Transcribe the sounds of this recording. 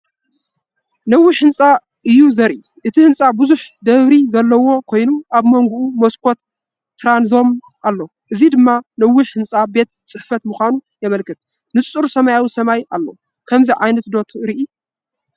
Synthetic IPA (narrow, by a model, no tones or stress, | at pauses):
nɐwːiħɨnt͡sʼa | ʔɨjːuzɐɾʔi | ʔɨt̪ʰihɨnt͡sʼabɨzuħd̪ɐβɾizɐlːɐwo̞kʰo̞jnuʔaβmoŋɡuʔumoskʰo̞t̪ː | ɾanzo̞m | ʔalːo̞ | ʔɨzid̪ɨmːanɐwːiħhɨnt͡sʼabe̞t̪t͡sʼɨħfɐt̪muxʷanujɛmɐlkʰɨt̪ | nɨsʼt͡sʼɨɾusɐmajawisɐmajʔalːo̰ | kʰɐmziʕajnɐt̪d̪o̞t̪ʰɾiʔi